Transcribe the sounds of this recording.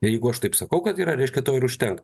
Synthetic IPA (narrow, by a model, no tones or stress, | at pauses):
ɪjɛɪɡʊɐʃt̪ɐɪpsɐkɐʊkɐt̪iːɾɐɾʲɛɪʃʲkʲɛt̪oːɪɾʊʃʲt̪ʲɛŋkt